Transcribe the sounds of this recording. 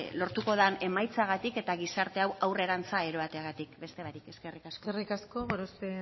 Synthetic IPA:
lo̞ɾt̪uko̞ð̞ane̞majt͡saɣ̞at̪ike̞t̪aɣisaɾt̪e̞awawre̞ɾant͡saeɾo̞βat̪e̞aɣat̪ikbe̞st̪e̞aɾikeskerikaskorikaskoβoɾose

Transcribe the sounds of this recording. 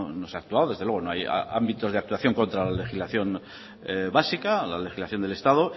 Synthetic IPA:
noseaːk̚t̪uaðoðeðeweo̞no̞aj̰a̰mbit̪o̞zðak̚t̪uaθjo̞ŋko̞nt̪ɾalale̞xizlaθjo̞n | βasikala̰le̞xizlaθjo̞nd̪e̞le̞st̪aðo

